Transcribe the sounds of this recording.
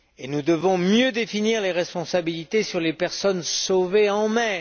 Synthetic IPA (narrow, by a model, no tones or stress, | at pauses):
enud̪əvɔ̃mjød̪efiniʁleʁɛspɔ̃sabilit̪esyʁlepɛʁsɔnsoveɑ̃mɛ